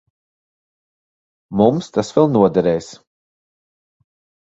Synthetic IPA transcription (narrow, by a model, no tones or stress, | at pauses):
mumst̪asvɛlˠnuɔd̪ɛɾɛjs